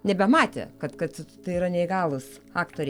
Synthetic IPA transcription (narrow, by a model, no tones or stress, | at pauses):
nʲɛbʲɛmɑːt̪ʲɛ̰kɐt̪kɐt̪t̪ɐɪiːɾɐnʲɛɪɡɑːlˠʊs | ɑːkt̪oːɾʲɛ